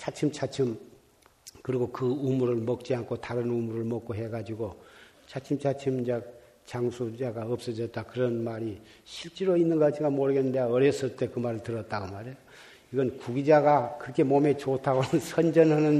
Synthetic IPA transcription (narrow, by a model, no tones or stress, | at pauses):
t͡ɕʰat͡ɕʰɯmt͡ɕʰat͡ɕʰɯm | kɯɾiɡokɯumuɾɯɭmʌk̚t͡ɕ͈iankʰotaɾɯnumuɾɯɭmʌk͈̚oɦe̞ɡad͡ʑiɡo | t͡ɕʰat͡ɕʰimt͡ɕʰat͡ɕʰimd͡ʑak̚ | t͡ɕaŋsʰud͡ʑaɡaʌp̚s͈ʌd͡ʑʌt̚t͈akɯɾʌnmaɾi | ɕʰiɭt͡ɕ͈eɾoinːɯnɡat͡ɕʰiŋɡamoɾɯɡenːɯndeaʌɾjʌs͈ɯɭt͈e̞kɯmaɾɯɭtɯɾʌt̚t͈aɡomaɾejo | iɡʌnkuɡid͡ʑaɡakɯɾʌkʰe̞mome̞t͡ɕotʰaɡonʌnsʰʌnd͡ʑʌnɦanɯn